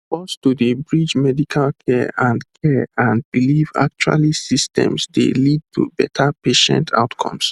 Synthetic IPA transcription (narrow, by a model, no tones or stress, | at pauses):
fɔstudibɹid͡ʒmɛdikʰalkʰɛãndkʰɛãnbiliva̰k̚t͡ʃwa̰lisistʰɛ̰̃msdḛlid̚tʰṵbɛtʰapeʃɛ̰̃ntʰa̰ʊtkʰɔ̰̃ms